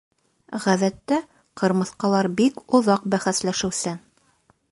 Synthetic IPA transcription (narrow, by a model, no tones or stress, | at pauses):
ʁæðæt̪ːæ | qɤ̆ɾmɤ̆θqɑlˠɑɾbikŏðɑqbæχæslæʃɘ̆wsɘ